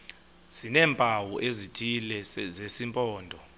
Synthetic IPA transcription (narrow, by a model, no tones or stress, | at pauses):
z̥inɛːmpʼawuʔezitʰilɛzesimpʼɔːndʱɔ